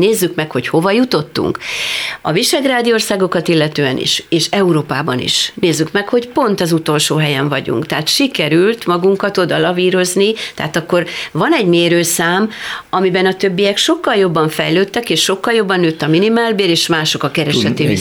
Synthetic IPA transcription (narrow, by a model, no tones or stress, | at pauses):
neːzːykmɛkho̞cho̞vɒjut̪o̞t̪ːṵŋkɒ̰viʃaːɡraːd̪io̞rsaːɡo̞kɒt̪ilːɛt̪øːɛnʔḭʃeːʃɛuɾoːpaːbɒnḭʃneːzːykmɛkho̞cpo̞nt̪ɒzut̪o̞lʃoːɦɛjɛɱvɒɟṵŋkt̪ɛɦat̪ʃikɛɾylt̪mɒɡuŋkɒt̪o̞d̪ɒlɒviːɾo̞znit̪ɛ̰aːt̪ɒkːo̞rvɒnɛɟmeːɾøːsaːmɒmibɛnɒt̪ø̞bːijɛkʃo̞kːɒljo̞bːɒɱfɛjløːt̪ːɛkeːʃːo̞kːɒljo̞bːɒnːøːt̪ːɒminimaːlbeːɾeːʃmaːʃo̞kɒkɛɾɛʃɛt̪eː